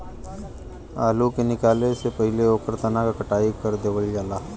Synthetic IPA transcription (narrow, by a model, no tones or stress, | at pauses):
a̰ːlukenɪkaːlesepɐɦɪleoːkəɾt̪ɐnakakɐʈaːikəɾd̪eːʋəld͡ʒaːlaː